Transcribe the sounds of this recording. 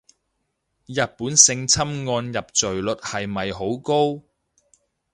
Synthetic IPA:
jɐ˨t̚puː˨˥nsɪ˧ŋt͡sʰɐ˥mŋɔː˧njɐ˨p̚t͡sɵ˨˩ɥlɵ˨t̚hɐ˨jmɐ˨jɦo˨˥wko˥w

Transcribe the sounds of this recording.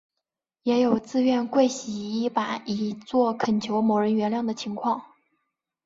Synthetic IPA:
jɛ˧˥jo˨˩ʊt͡sɹ̩˥˧ɥɛ˥˧nkwe˥˩ɪɕi˨˧˩i˥pa˨˩i˨˩t͡swɔ˥˩kʰə˨˩nt͡ɕʰjo˧˥ʊmo˧˥ʊɻə˧˥nɥɛ˧˥nljɑ˥˩ŋd̪ə˩t͡ɕʰi˧˥ŋkʰwɑ˥˩ŋ

